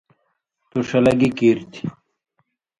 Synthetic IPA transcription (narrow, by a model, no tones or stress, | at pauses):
t̪uʂɐlɐɡikiːɾt̪ʰi̥